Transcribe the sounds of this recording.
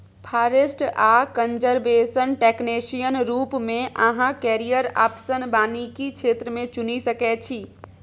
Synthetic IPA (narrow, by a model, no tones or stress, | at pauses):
pʰaːɾesʈakənd͡ʒəɾbesənʈeknesijənɾuːpmẽʔə̃ɦãkɛɾijəɾa̰psənbaːnikikʰeːt̪ɾəmẽt͡ʃunisəkɛt͡ʃʰi